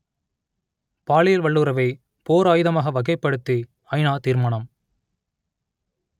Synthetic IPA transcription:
paːɭɪjɐlʋɐɭːɯɾɐʋɐɪ | poːɾaːjɯðɐmaːɣɐʋɐɣɐɪpːɐɽɯt̪ːi | ɐɪnaːt̪iːɾmɐɳɐm

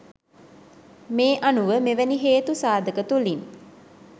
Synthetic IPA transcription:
meːʔanuʋəmeʋæniɦeːt̪usaːd̪əkət̪ulin

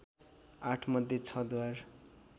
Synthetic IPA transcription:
aʈʰmʌd̪ʱjet͡sʰʌd̪war

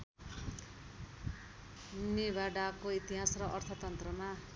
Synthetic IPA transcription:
nebaɖakoit̪iɦasrʌʔʌrt̪ʰʌt̪ʌnt̪rʌma

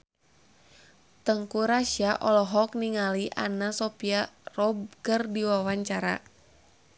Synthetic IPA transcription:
t̪əŋkuɾaʃiaʔɔlɔɦɔk̚niŋaliʔa̰nasɔpiarɔb̚kərdiwawaɲt͡ʃaɾa̰

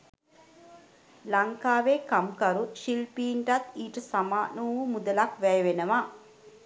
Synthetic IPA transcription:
lɐŋkaːʋeːkɐmkɐɾuʃilpiːnʈat̪iːʈɐsamaːnuːʋumud̪ɐlakʋɛjɐʋenəʋaː

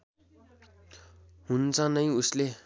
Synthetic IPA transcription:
hunt͡sʌnʌj̃usle

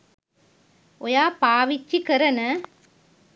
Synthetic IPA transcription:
ɔjaːpaːʋɪt͡ʃːikɐɾɐnɐ

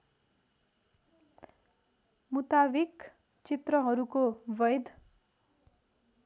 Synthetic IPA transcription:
mut̪abik | t͡sit̪rʌɦʌɾukobʌjd̪ʱ

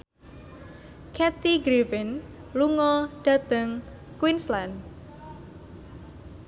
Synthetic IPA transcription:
kʰɛt̪iɡɾivɪnluŋɔɖ̥a̤t̪əŋ | kwinsland

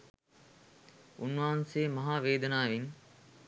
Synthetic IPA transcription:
unʋaːnseːmɐɦaːʋeːd̪ɐnaːʋiŋ

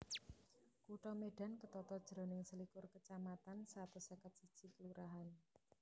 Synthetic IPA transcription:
kuʈɔmeɖ̥a̤nkət̪ɔt̪ɔd̥ʒ̥ɾɔ̤nɪŋsəlikʊrkət͡ʃamat̪ansat̪usəkət̪̚sid̥ʒ̥i̤kəluɾʔaɦan

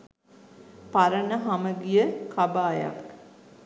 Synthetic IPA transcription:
paɾənəɦaməɡijəkʰabaːja̰k

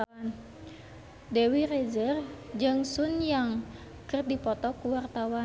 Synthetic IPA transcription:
an | dewired͡ʒərd͡ʒɨŋsunjaŋ | kɨrdipɔt̪ɔkuwart̪awa

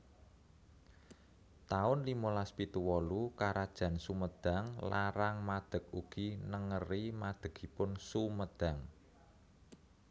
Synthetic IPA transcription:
t̪aʊnlimolaspit̪uwɔlukaɾad̥ʒ̥ä̤nsuməd̪̥a̤ŋlaɾaŋmad̪̥ə̤k̚uɡ̥inəŋərimad̪̥ə̤ɡ̥i̤pʊnsuməd̪̥a̤ŋ

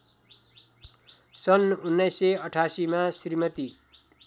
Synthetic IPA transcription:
sʌnunːʌjsːʌʌʈʰasimasirmʌt̪i

